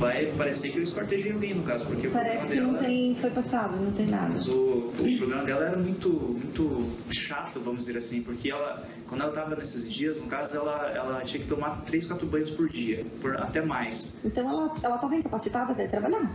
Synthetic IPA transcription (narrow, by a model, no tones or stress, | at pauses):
vajpaɾesekɪewɪskoɾt̪eʒej̃awɡẽj̃nʊkazʊpoɾkepaɾɛsɪkɪɛ̃wt̪ẽj̃fojpasad̪ʊnɐ̃w̃t̪ẽj̃na̰d̪mɐzʊʊpɾoblẽmɐd̪ɛlɐɛɾɐmũj̃t̪ʊmũj̃t̪ʊʃat̪ʊvɐ̃mʊzd͡ʒɪzeɾasĩpoɾkeɛlɐ | kwɐ̃nd̪ʊɛlɐt̪avɐnesɪzd͡ʒiɐznʊkazʊɛlɐɛ̰lɐt͡ʃĩɲɐkɪ̥t̪omaɾt̪ɾejs̬kwat̪ɾʊbɐ̃j̃ʊspoɾd͡ʒiɐpoɾa̰t̪ɛmajs | ẽnt̪ɐ̃w̃ɛlɐɛlɐt̪avɐĩkapasit̪avɐd̪ɛt̪ɾabaʎa